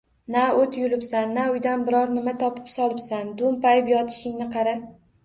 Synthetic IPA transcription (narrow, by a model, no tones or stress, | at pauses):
naot̪jʊlɪpsanːaʊjd̪anbɪɾɒɾnɪmat̪ʰɒpʰɪ̥psɒlˠɪpsand̪ʊmpajɪpjɒt̪ʰɪ̥ʃɪŋnɪqʰɑɾap